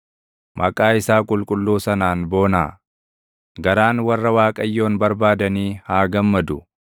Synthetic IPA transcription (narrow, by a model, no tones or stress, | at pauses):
mʔɐkʼaːɪsaːkʼʊlkʼʊlːuːsɐnaːnbo̞ːnaː | ɡɐɾaːnwɐrːɐwaːkʼɐjːo̞ːnbɐɾbaːd̪ɐniːhaːɡɐmːɐd̪ʊ